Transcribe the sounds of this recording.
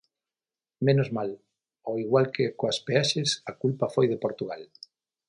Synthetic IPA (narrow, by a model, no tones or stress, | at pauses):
menozmal | oiɣwalkɪkoɐspeaʃɪsɐkulpɐfojðɪpoɾt̪uɣal